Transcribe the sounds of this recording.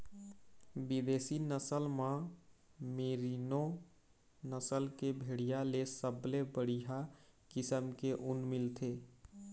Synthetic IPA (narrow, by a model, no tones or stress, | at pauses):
bɪd̪eːsinəsəlmã | meːɾino | nəsəlkebʱeːɽijalesəblebəɽiɦakɪsəmkeʔʊnmɪlt̪ʰeː